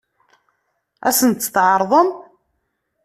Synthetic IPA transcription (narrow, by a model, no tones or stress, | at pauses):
æ̰sənt̪θʕɑɾˤðˤəm